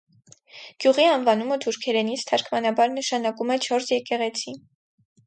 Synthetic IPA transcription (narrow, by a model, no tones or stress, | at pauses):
ɡ̥juʁiɑnvɑnumət̪ʰuɾkʰɛɾɛnit͡sʰt̪ʰɑɾkʰmɑnɑbɑɾnəʃɑnɑkumɛt͡ʃʰɔɾsjɛkɛʁɛt͡sʰi